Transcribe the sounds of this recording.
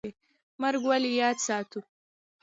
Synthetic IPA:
e | maɾɡwalijɑːd̪sɑːt̪u

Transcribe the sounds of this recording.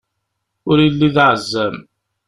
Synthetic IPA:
ʊɾilːiðʕəzːæm

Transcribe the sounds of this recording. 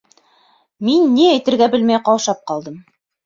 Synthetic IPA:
minːiæjt̪ɘ̆ɾɡæbɘ̆lmæjqɑwʃɑp̚qɑlˠd̪ɤm

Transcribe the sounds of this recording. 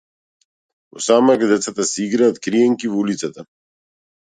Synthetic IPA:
ɔ̰samakd̪ɛt̪sʰat̪asiɡɾat̪kɾijɛŋkivulit̪sʰat̪a

